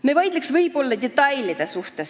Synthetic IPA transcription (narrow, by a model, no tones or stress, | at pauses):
mevɑjd̪leksvɤjbo̞lːɑd̪̥ʲet̪ːˑɑjlʲid̪̥esuht̪es